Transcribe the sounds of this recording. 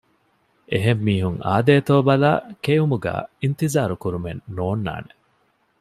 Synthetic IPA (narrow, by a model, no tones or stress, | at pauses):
ʔeɦemːiːɦuŋa̰ːd̪eːt̪oːbɐlaːkejumuɡæ̰ːint̪izaːɾukuɾumenːoːnːa̰ːne